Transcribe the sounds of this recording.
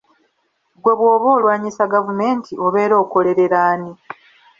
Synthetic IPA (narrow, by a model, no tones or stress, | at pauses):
ɡwe̞βwo̞ːβo̞ːlwaːɲisaɡavume̞ːntʰiʔo̞βe̞ːɾo̞ːko̞le̞ɾe̞ɾaːni